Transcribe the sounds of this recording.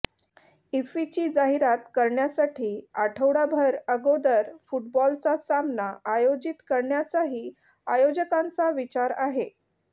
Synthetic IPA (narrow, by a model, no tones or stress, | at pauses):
ifit͡ɕiːd͡zaɦiɾat̪kəɾɳjasaʈʰiːaʈʰəwɽabʱəɾəɡod̪əɾfuʈ̚bɔlt͡sasamnaʔajod͡ʑit̪kəɾɳjat͡saɦiː | ajod͡ʑəkãnt͡saʋit͡ɕaɾaɦe